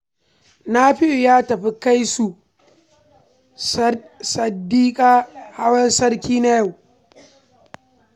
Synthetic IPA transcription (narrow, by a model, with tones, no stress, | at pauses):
na˦ɸɪ˦jo˨jaː˦tɐ˨ɸi˦ka˦jsu˨ | sɐ˨dːiː˦kʼaː˦ha˦wɐ˦nsɐ˦rkʲiː˦na˦ja˦˨w